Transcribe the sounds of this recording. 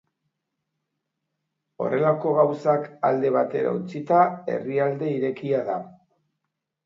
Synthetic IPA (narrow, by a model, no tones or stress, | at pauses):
o̞̰re̞lako̞ɣawsaka̰ld̪e̞β̞at̪e̞ɾa̰ut͡sit̪ae̞̰riald̪e̞iɾe̞kiaða